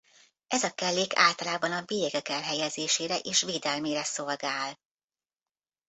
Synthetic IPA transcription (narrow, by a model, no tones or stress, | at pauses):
ɛzɒkɛlːeːkʰa̰ːlt̪ɒlaːbɒnɒbijɛɡɛkɛlɦɛjɛzeːʃeːɾɛʔeːʃʋeːd̪ɛlmeːɾɛsolɡaːl